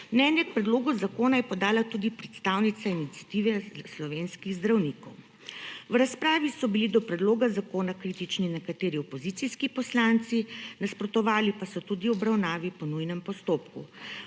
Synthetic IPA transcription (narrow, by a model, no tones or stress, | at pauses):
mnɛːnjɛk̚pɾɛd̪loːɡuzakoːnajɛpɔd̪aːlat̪ud̪ipɾɛt̪st̪aːwnit̪sainit̪sʲjat̪iːʋɛslɔʋeːnskiɣzd̪ɾawniːkɔw | wɾaspɾaːʋisɔbilid̪ɔpɾɛd̪loːɡazakoːnakɾiːt̪it͡ʃninɛkat̪eːɾiɔpɔzit̪siskipɔslaːnt̪sinaspɾɔt̪ɔʋaːlipasɔt̪ud̪iɔbɾawnaːʋipɔnujnɛmpɔst̪oːpkṵ